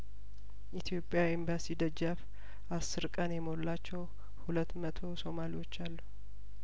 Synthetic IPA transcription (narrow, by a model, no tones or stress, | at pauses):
ʔit̪ʰijo̞pʼːjawimbasid̪əd͡ʒːaf | ʔasːɨɾkʼənjɛmollat͡ʃːɛw | hulət̪ːmət̪ʰo̞so̞maliwo̞t͡ʃːalːu